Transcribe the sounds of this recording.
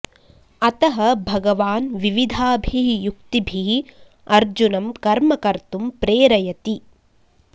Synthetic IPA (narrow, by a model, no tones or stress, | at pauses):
ɐt̪ɐɦɐbʱɐɡɐʋaːnʋiʋid̪ʱaːbʱiɦjuk̚t̪ibʱiɦ | ɐɾd͡ʒunɐmkɐɾmɐkɐɾt̪umpɾeːɾɐjɐt̪i